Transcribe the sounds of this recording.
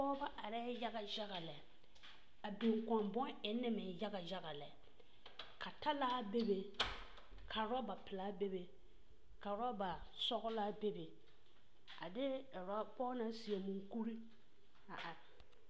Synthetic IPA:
ɔː˦ba˦ʔa˨ɾɛː˦ja˦ɣa˨d͡ʒa˦ɣa˨lɛ˨ | a˨be˨ŋka˨mbɔ˦nɪ˨˦nːɪ˦mɪ˨ja˦ɡa˨d͡ʒa˦ɣa˨lɛ˨ | kʰa˨ta˦laː˦be˦be˨ | kʰa˨ɾa˦ba˨pɪ˨laː˦be˦be˨ | ka˨ɾa˦ba˨ | sɔ˦ɣʊ˦la˦be˦be˨ | a˨dɪ˦˨ɾa˦pɔː˦na˦si˨e˨mu˨ŋku˦ɾi˦ | a˨ʔa˨ɾɪ˨

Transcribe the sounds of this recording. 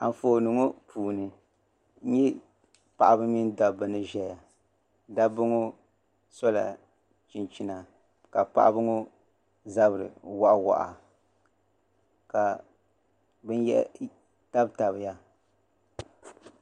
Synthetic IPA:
a̰˨ɱ˨foː˨nɨ˨ŋo˦pʰuː˨nɨ˨˦ | ɲɛ˦ | pa˨ʔa˨bɨ˦mi˦n˦da˨bɨ˦nɨ˦ʒɛ˦˨ja˨ | da˦bɨ˦ŋo˦ | sɔ˦la̰˨ | t͡ʃi˨nt͡ʃi˦na˨ | ka˨pa̰˨ʔa̰˦bɨ˦ŋo˦ | za˦bɨ˨ɾɨ̰˨wa˦ʔa˦wa̰˨ʔa̰˨ | ka˨ | bɨ˦njɛ̰˦ʔ | ta˦bta˨βɪ˨ja˦

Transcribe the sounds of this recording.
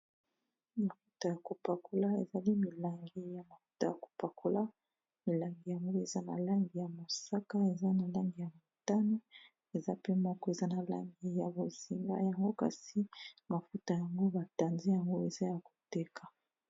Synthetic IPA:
ma˨fu˦ta˨ja˨ko˨pa˨kʰo˦la˦e˨za˨li˦mi˨la˨ŋɡi˨ja˨ma˨fu˦ta˨ja˨ko̥˨pa˨kʰo˦la˦ | mi˨la˨ŋɡi˨ja˨ŋɡo˦e˨za˦na̰˨la˦ŋɡi˨ja˨mo˨sa˦ka˦e˨za˦na˨la˦ŋɡi˨ja˨mo˨ta˦no˦ | e˨za˦pe˦mɔ˦kɔ˦e˨za˦na˨la̰˦ŋɡi˨ja˨bo˨zi˨ŋɡa̰˦ja˨ŋɡo˦ka̰˦si˦ma˨fu˦ta˨ja˨ŋɡo˦ba˨ta˨nzi˦ja˨ŋɡo˦e˨za˦ja˨ko̥˨tɛ˦kʰa˨

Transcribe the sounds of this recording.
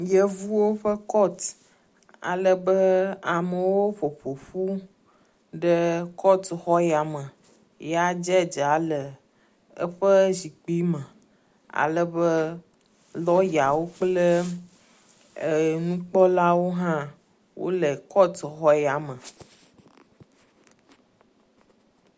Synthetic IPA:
jə˦vu˦wo˦ɸə˦kɔ˦t̪ | a̰˨lə˦bə˦a˨mə˨wo˦ɸo˨ɸo˨ɸu˦ | ɖə˦kʰɔ˦t̪xɔ˦ja˨mə̃˨ | ja˦d͡ʒɛ˦d͡ʒa˨˦lə˨ | ə̰˦ɸə˦zi˨k͡pi˦mə̃˨ | a̰˨lə˦bə˦ | lɔ˦ja˨wo˦k͡plə˦˨ | nũ˦k͡pɔ˦la˦wo˦ɦã˦ | wʔo̰˦lə˨kɔ˦t̪xɔ˦ja˨mə̃˨

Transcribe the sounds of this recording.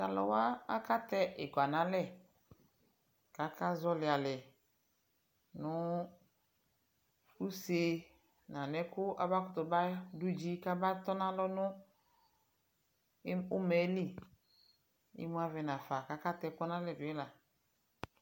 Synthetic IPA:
ta˨lɔ̰˨wa˦a˦ka˦t̪ɛ˦ʔɪ˨ka˨nã˦lɛ˦˨ | ka˦ka˦zɔ˦lɪ˨a˨lɛ˨ | nʊ˦ | u˦se˨ | nã˨nɛ˦kʊ˦a̰˨ba˦kʊ˦t̪ʊ˨ba˦du˦d͡ʒi˦ka˦ba˦t̪ɔ˦nã˦lɔ˦nʊ̃˦ | ʊ˦mɛ˨˦li˦ | ɪ̰˦mũ˦a˦vɛ˨nã˨fa˨ka˨˦ka˦t̪ɛ˦˨kɔ˦nã˦lɛ˨dʊ˨ɛ˦la˨

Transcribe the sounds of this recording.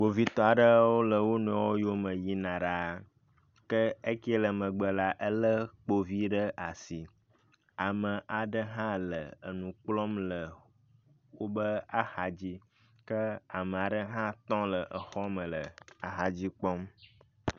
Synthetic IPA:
wo˨vi˦t̪ɔ˦a˨ɖə˦wo˦lə˨wo˦nɛ̃˨˦wo˦jo˦mə˨ji˦nã˨ɖa˦ | kə˦e˦ki˦e˦lə˨mə̃˨ɡ͡bə˨la˦ʔə˦lə˦k͡po˦vi˦ɖə˦ʔa˨si˨ | a˨mə̃˨ʔa˨ɖə˦ɦã˦lə˨ə˨nũ˨k͡plɔ˦mlə˨ | wo˦bə˦a˨xa˨d͡ʑi˦ | kə˦a˨mə˨a˨ɖə˦ɦã˦t̪ɔ̃˦lə˨ʔə˨xɔ˦mə̃˨lə˨a˨ɦa˨d͡ʑi˦k͡pɔ˦m

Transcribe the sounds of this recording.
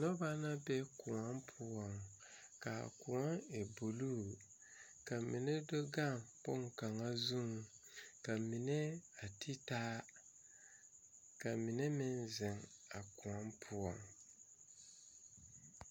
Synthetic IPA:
nɔ˦ba˦na˦bɛ˦ku˨a˦mpʰʊ˦ɔ˨ŋ | ka̰˨ku˨ɔ˦ŋe˨bu˨lu˦˨ | ka˨mi˨ne˦do˦ɡa˦˨ŋpo˦ŋ˨ka˨ŋa˦zu˦ŋ˨ | ka˨mi˨ne˦a˨tʰi˦taː˦ | ka˨mi˨ne˦mɪ˦nzɪ˨ŋa˨ku˨a˦mpʰʊ˦ɔ̰˨ŋ

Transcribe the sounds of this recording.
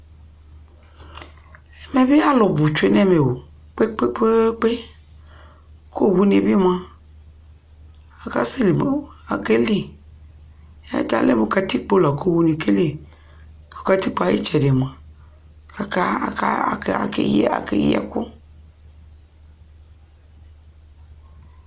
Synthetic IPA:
ɛ˨mɛ˨bi˦a˦lʊ˨bu˨t͡ʃe˦nɛ˦˨me˨wo˨ | k͡pe˦k͡pe˦k͡pe˦k͡pe˦ | kʰo˦˨wu˦ne˨bi˦m˦a˦ | a˨ka̰˦si˦li˨a˨ke˦li˦˨ | ɛ̰˦ta̰˨lḛ˦mo˨˦˨ka˧ti˦k͡po˦la˨ko˦˨wu˦ni˨ke˦li˨ | o˨ka˦ti˦k͡pa˨˦jḭ˦t͡ʃɛ˨de˨m˨a˨ | ka˨ka̰˦˨ka̰˦˨ka̰˨ka̰˨ke˦jɛ̰˦ku˦

